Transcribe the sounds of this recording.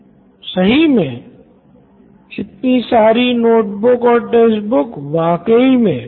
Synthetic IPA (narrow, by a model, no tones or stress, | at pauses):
sɐɦimẽ | ɪt̪nisaːɾinoːʈbʊkɔːɾʈeːsbʊkʋaːkəimẽ